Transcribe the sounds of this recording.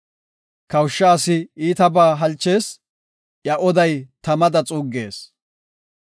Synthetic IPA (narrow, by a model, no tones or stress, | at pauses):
kɐwʃːaːsɪiːt̪ɐbaːɦɐlt͡ʃːe̞ːs | jɐʔɔd̪ɐjt̪ɐmɐd̪ɐt͡sʼuːɡe̞ːs